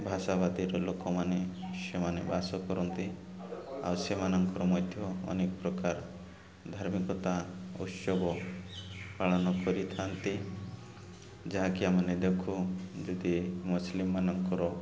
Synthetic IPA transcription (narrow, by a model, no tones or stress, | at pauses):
bʱaʃabad̪iɾɔlokɔmanesemanebasɔkɔɾɔnt̪i | a̰wsemanɔŋkɔɾɔmɔjd̪ʱjɔɔ̰nekɔpɾɔkaɾ | d̪ʱaɾmikɔt̪aṵt̪sɔbɔ | paɭɔnɔkɔɾit̪ʰant̪i | d͡ʒaɦakiamaned̪ekʰud͡ʒɔd̪imuslimːanɔŋkɔɾɔ